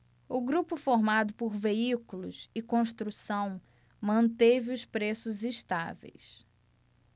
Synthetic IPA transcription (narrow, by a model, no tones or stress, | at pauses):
ʊɡɾupʊfoɾmad̪ʊpʊɾveikulʊ̰sɪkõʃt̪ɾusɐ̃w̃ | mɐ̃nt̪evɪʊspɾesʊziʃt̪a̰vḛjs